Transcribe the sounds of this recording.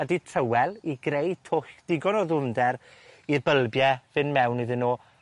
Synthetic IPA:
əditʰrəwɛlˠiɡɾej̚tʰʊxd̥ɪɡɔnɔðʊndɛɾirbəlˠbjɛvɨnmɛwniðɪnːoː

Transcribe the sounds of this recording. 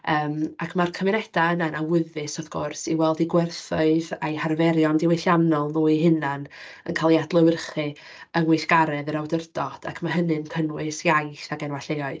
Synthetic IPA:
əːmakʰmarkʰəvɪnɛd̥aənanawɪðɨsɔvɡ̥ʊrsiwɛlˠdiɡwɛrθʊɨðajharvɛɾjɔndɪweɬjanɔlˠnuːiɦɨnanə̰nkʰalˠiadlˠəwɪrχɨ | ənwɪjθɡ̥aɾɛðəɾawdərd̥ɔd̥a̰kʰmaɦənɨnkʰənwɨsjajθaɡɛnwaɬejɔɨð

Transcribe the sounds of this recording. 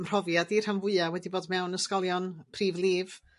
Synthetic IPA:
mr̥ɔvjadir̥amvʊɨawɛdiboːdmɛwnəskɔlˠjɔnpʰriːvlˠiːv̥

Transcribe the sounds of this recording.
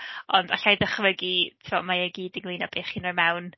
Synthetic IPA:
ɔndaɬajðəχvəɡitʰɪvɔmajəɡiːdɪŋlˠinab̥eːχinərmɛwn

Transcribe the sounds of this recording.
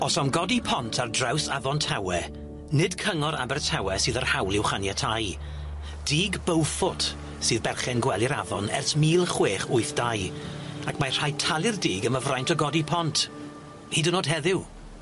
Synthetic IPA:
ɔsamɡɔdipʰɔntʰardrawsavɔntʰawɛ | nɪd̥kʰəŋɔɾa̰bɛrtʰawɛsɨːðərhawlˠɪwχanjatʰaj | d̥iːɡbəwfʊd̥ | sɨːðbɛrχɛnɡwɛlˠɪɾavɔ̰nɛ̰rθmiːlˠχweːχʊɨθd̥ajakʰmar̥ajtʰalˠɪrdiːɡəməvrajntʰɔɡɔdipʰɔntʰ | hiːdɪnoːd̥ɦɛðɪw

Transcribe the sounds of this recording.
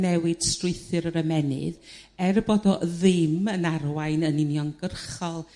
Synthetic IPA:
nɛwɨd̥strɪɨθɨɾəɾəmɛnɨ̰ð | ɛrboːdɔðɪmənarwajnənɪnjɔnɡ̥ərχɔlˠ

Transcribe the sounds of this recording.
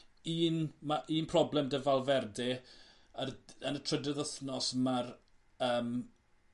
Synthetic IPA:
iːnmaʔiːnpʰrɔblɛmdəvalˠvɛrdɪ | əənətʰrədɛðəθnɔsmar | əːm

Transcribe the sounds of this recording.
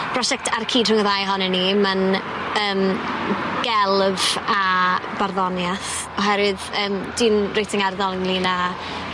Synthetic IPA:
b̥rɔʃɛk̚tʰarkʰiːdrʊŋəðajɦɔnɛniman | əːm | ɡ̥ɛlˠvabarðɔnjaθ | ɔɦɛɾɪðəːmd̥iːnrejtʰɪŋarðɔlˠŋlina

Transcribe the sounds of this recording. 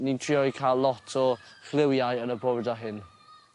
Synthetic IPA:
nintʰriɔkʰalˠːɔtʰɔχlˠɪwjajənəbɔrdaɦɪn

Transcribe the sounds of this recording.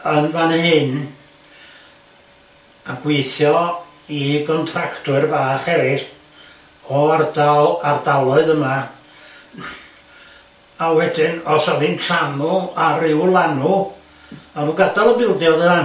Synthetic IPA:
ənmanəhɪn | aɡwejθjɔ | iɡɔntʰraktʰʊɨrvaːχɛɾɪ | ɔardalardalˠɔɨðəma | awɛdɪnɔsɔvɪnkʰamʊarɪwlˠanʊ | avuɡadɔlˠəbɪlˠdjɔlˠðəða

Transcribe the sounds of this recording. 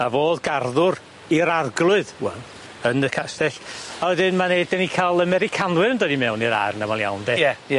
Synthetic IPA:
avoːðɡarðʊr | iɾarɡlˠʊɨðwɛ̰ | ənəkʰastɛɬɔəðɪnmaneɨd̚dɛnikʰalˠəmɛɾɪkʰanwɨɾəndɔdimɛwniɾa̰rnamalˠja̰wndɛɛ

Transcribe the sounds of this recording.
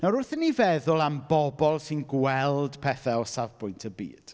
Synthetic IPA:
naɾʊrθənːivɛðʊlˠambɔbɔlˠsɪnɡwɛlˠdpʰɛθaɔsavpʰʊjntʰəbḭːd̥

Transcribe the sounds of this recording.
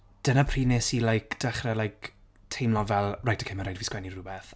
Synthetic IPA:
d̥ənapʰriːneːsilajkd̥ɛχrɛlajk | tʰejmlˠɔvɛlˠrajtʰə̥kʰɪmɛɾajdviskwɛnirʊbɛθ

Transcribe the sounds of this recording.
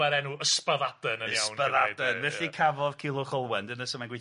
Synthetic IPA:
ɛɾɛnuəspaðad̥ənəəaswnpaðad̥ənvɛɬikʰavɔðkʰɪlˠʊχɔlˠwɛndənəsɔmanɡwi

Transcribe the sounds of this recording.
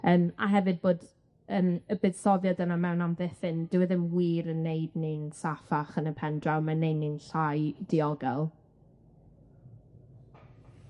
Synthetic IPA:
əːma̰ɦɛvɨd̚boːd | əːməbɨðsɔvjɔdənamɛwnamðeθɪndɪwɛðɪmwiːɾənːejdninsafaχənəpʰɛndrawmanejdninɬajd̥iɔɡɛlˠ

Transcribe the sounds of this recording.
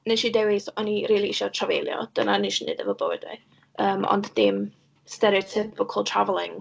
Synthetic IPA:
neʃidɛweθɔniɾiːlˠiɪʃɔtʰravḛjlˠjɔ̰d̥ənaniʃinḛːdɛvɔbo̰wɛ̰d̥wḭ | əːmɔ̰ndðɪm | stɛɾiɔtʰɪpʰɪkʰəlˠtʰravlˠɪŋ

